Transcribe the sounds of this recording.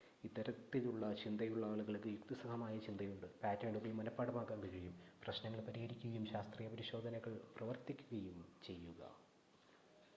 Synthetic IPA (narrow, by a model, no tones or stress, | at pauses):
id̪ɐɾɐt̪ːiluɭːɐt͡ɕind̪ɐjuɭːaːɭuɣɐɭkːɨjukt̪isɐkʰɐmaːjɐt͡ɕind̪ɐjuɳɖɨpaːtːeːɳɖuɣɐjumːɐnɐpːaːɽɐmaːkːaːŋkɐd͡ʑejumprɐɕnɐŋːɐɭpɐɾihɐɾikʲːuɣɐjumɕaːst̪rijɐpɐɾiɕo̞ːd̪ʱɐnɐɣɐɭprɐʋɐrt̪ikʲːuɣɐjumt͡ɕe̞jːuɣɐ̰